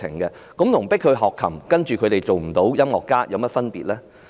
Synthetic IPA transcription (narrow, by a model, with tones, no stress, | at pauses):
ɪ̰˨˩ŋkɛː˧ | kʊ˨˥mt̪ʰʊ˨˩ŋpɪ˥k̚ʰhɵ˧ɥɦɔː˨kʰːɐ̰˨˩mkɐ˥nt͡ʃyː˨kʰɵ˨˧t̪e˨jt͡so˨wm̩˨˩t̪o˨˥wjɐ˥mŋɔː˨kːaː˥jɐ˨˧wmɐ˥t̚fɐ˥npiː˨t̚lɛː˥